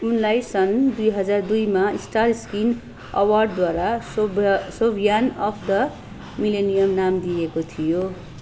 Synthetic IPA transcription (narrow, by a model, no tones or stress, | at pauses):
unlajsʌnd̪ujɦʌd͡zard̪ujmaisʈarskin | ʌ̰warɖd̪waɾa | sobʱijanʌpʰd̪ʌ | milenijʌmnamd̪ijekot̪ʰijo